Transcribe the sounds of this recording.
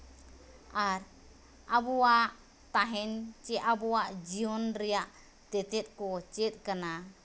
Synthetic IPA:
aɾ | abɔwaʔ | t̪aɦɛnt͡ʃɛʔabɔwaʔd͡ʒiɔnɾɛjaʔ | t̪ɛt̪ɛt̪̚ˀkɔt͡ʃɛt̪̚ˀkana

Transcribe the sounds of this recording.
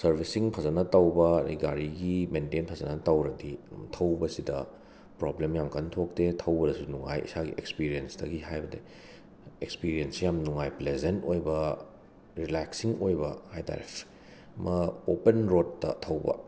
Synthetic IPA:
sɐɾbʱisiŋpʰɐzɐnɐtɐwbɐɾḭɡaɾiɡimentenpʰɐzɐnɐtɐwɾɐditʰɐwbɐsidɐ̰ | pɾoblemjamkɐntʰok̚tetʰɐwbɐdɐsunuŋa̰jḭsaɡiʔekspiɾiensdɐɡihajbɐde | ekspiɾijensijamnuŋajplezentojbɐ | ɾilaksiŋojbɐhajta̰ɾḛp | mʔɐopenɾotːɐ̰tʰɐwbɐ̰

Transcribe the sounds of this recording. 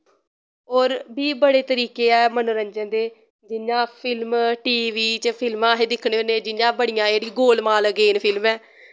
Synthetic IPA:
ɔːɾbiːbəɽeːt̪əɾiːkeːɛːmənuɾə̃ɲd͡ʒənd̪eː | d͡ʒɪnːãːpʰɪlmʈiːʋiːt͡ʃpʰɪlmãːɦeːd̪ɪkʰɽeːəneːd͡ʒɪnjãːbəɽɪjãːeːɽiːɡoːlmaːlɡeːnpʰɪlmɛː

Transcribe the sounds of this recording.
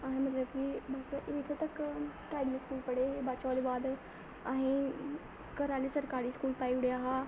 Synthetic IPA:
aːɦĩmɐt̪lɐbkibɐsʔek̪ʰət̪ɐkʈaːɪɖmẽskuːlpɐɽebaːt͡ʃɔːd̪baːd̪ | aːɦĩ | kɐɾaːlisɐɾkaːɾiskuːlpaːiʊɽeaːɦaː

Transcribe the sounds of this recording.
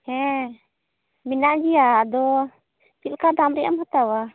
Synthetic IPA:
hɛ̃ | minaʔd͡ʒiaːd̪ɔ | t͡ʃilkad̪amɾɛjʔa̰mhat̪awa

